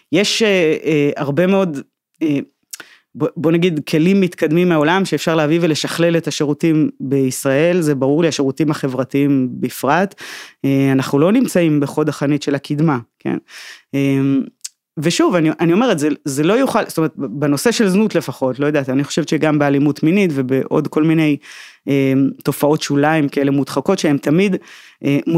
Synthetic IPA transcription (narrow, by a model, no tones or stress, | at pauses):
je̞ʃeeaʁbe̞meo̞d̪ | e | bobo̞naɡid̪kʰe̞limːit̪kad̪mimːeao̞lamʃeːfʃaʁleavivele̞ʃaχle̞le̞taʃeʁutimbeisʁae̞lzebaʁuʁliaʃeʁutiimhaχe̞vʁatiimbeifʁateanaχnulo̞nimt͡saimbeχo̞d̪aχanitʃe̞lakʰid̪makʰḛnem | veʃuvaniʔanio̞me̞ʁetzezelo̞juχalst̪omeetbeno̞se̞ʃe̞lznutle̞faχo̞tlo̞jod̪aːt̪ianiχoʃe̞vt͡ʃeɡambealimutminitvebeʔo̞̰dko̞lmine̞jemto̞fao̞tʃulaimkaelemudχako̞tʃee̞mt̪amid̪ | ʔem